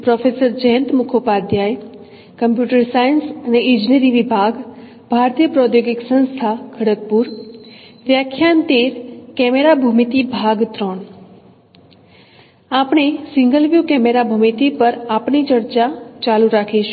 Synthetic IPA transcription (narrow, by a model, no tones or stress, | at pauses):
pɾɔfesəɾd͡ʒəɦənt̪mʊkʰopad̪ʱjaj | kəmpjuʈəɾsajənsəneɪ̃d͡ʒneɾiʋibʱaɡ | b̥ʱaɾt̪jəpɾɔt̪joɡɪksə̃nst̪ʰakʰəɽət̪̚puɾ | ʋjakʰjant̪eɾkɛmeɾabʱumit̪ibʱaɡt̪ɾəɳ | apɳ̃esɪ̃ŋɡəlʋjukɛmeɾabʱumit̪ipəɾapɳit͡ʃəɾt͡ʃat͡ʃaluɾakʰiʃ